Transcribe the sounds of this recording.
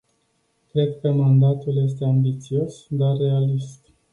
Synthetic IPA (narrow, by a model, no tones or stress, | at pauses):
kɾe̞d̪kəmand̪at̪ulje̞s̬t̪e̞ambit̪sio̞sd̪arːe̞alist̪